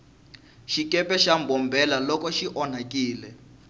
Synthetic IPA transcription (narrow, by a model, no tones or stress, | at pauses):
ʃikɛpɛʃambɔmbʱɛlalɔkɔʃiʔɔn̤akiːlɛ